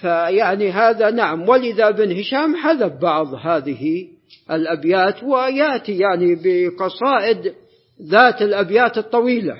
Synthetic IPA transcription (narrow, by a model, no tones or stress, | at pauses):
fajaʕniɦaːðanaʕamwɪlɪðabɪnhɪʃaːmħaðabbɑʕðˤhaːðɪhi | ʔɪlʔabjaːt̪wɪjaʔt̪ijaʕnibɪqɑsˤɑːʔɪd̪ | ðaːt̪ɪlʔabjaːt̪ɨt̪ˤːɑwiːla̰